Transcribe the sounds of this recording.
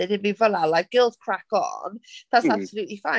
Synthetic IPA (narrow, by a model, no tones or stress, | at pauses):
ɪdɪd̚bivəlalˠajk̚ɡ̥ɪlˠdkʰɹ̥akɔ̰nðatssab̥səluːtlifa